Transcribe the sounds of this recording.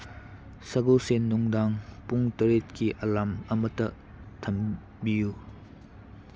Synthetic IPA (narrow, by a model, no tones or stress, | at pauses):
sɐɡosenːuŋdaŋpuŋtɐɾetkiʔɐlamɐmɐtɐ | tʰɐm | biju